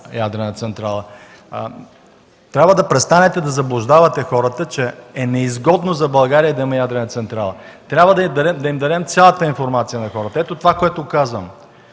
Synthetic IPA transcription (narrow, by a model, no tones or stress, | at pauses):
jad̪ɾɛnət̪sɛnt̪ɾalˠə | t̪ɾʲabvəd̪ɐpɾɛst̪anɛt̪ɛd̪ɐzɐblˠʊʒd̪avɐt̪ɛxɔɾət̪ət͡ʃɛːnɛizɡɔd̪nozɐbɐlˠɡaɾijəid̪ɐimɛjad̪ɾɛnət̪sɛnt̪ɾalˠə | t̪ɾʲabvəd̪ɐid̪ɐd̪ɛmd̪ɐimd̪ɐd̪ɛmt̪sʲjalˠət̪əinfoɾmat̪sijənɐxɔɾət̪əɛt̪ot̪ovakoɛt̪okazvəm